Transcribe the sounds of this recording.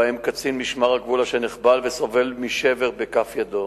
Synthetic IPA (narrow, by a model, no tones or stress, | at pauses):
emkat͡sinmiʃmaʁaɡvulaʃeniχbalveso̞ve̞lmiʃeveʁbekafjad̪o